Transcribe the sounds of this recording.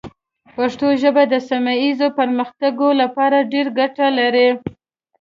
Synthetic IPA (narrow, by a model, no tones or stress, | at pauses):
paʂt̪oʒəbad̪əsamajizopəɾməxt̪aɡolapɑɾaɖeɾɡaʈalaɾe